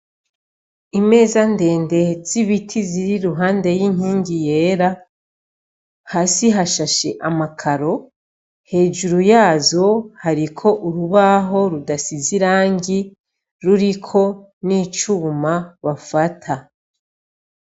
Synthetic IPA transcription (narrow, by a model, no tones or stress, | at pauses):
ime̞ːzande̞ːnde̞z̥iβitʰiziɾiɾuɦaːnde̞jiɲ̥hiːɲɟije̞ːɾa | haːsiɦaʃaʃe̞̰ʔamakʰaɾo̞ | he̞ːʒuɾujaːzo̞haɾikʰo̞ʔuɾuβaɦo̞ɾudasiziɾaːɲɡi | ɾuɾikʰo̞ | niːt͡ʃuːmaβafatʰa